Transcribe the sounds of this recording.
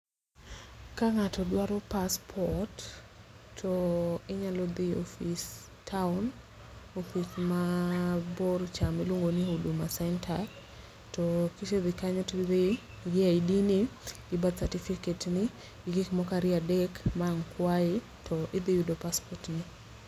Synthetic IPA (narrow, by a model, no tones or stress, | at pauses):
kaŋatɔdwaɾɔpaspʰɔtʰː | ɔɪɲalɔd̪ɪo̰fis | tʰaʊn | ofit͡ʃmabort͡ʃamɪlwoŋɡoniudumasɛntʰar | tɔkiʃeðɪkaɲɔtd̪ɪ | ɡɪaidinɪ | ɪbad̪satifiketnɪ | ɡɪɡɪkmɔkaɾɪadɛkmaŋkwaɪ | tʰɔʔɪd̪ɪjudopaspɔtnɪ